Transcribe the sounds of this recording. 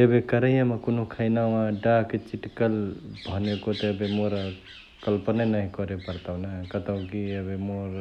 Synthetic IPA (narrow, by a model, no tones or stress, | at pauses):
ebekəɾəjaməkonokʰaɪnawãɖaket͡ʃiʈkəlbʱənekot̪eəbemoɾ | kəlpənenəɦĩkɔɾepəɾt̪awnakət̪əʊ̃kiəbemoɾ